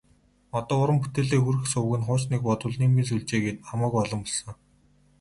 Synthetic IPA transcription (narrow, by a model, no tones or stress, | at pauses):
ɔt̪ɔːʊɾə̆mput̪eːɮiːkxuɾɘ̆xsʊw̆ɣɘ̆nχʊːt͡ɕniːk̚pɔt̪wʊ̆ɮniːmiːns̬uɮt͡ɕeːɣeːt̪̚χamɔːkpɔɮɞ̆mpɔɮsɞ̆ŋ